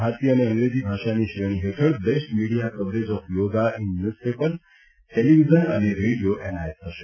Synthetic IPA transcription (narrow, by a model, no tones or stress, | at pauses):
aɾt̪iəneə̃ŋɡɾed͡ʑibʱaʃaniʃiɾəɽ̃iɦeʈʰəɽbesʈmiɽijakəbɾed͡ʒɔfjoːɡaʔinːjuːspepəl | ʈeliʋizənə̰neɾeɽijoʔenajeshəʃe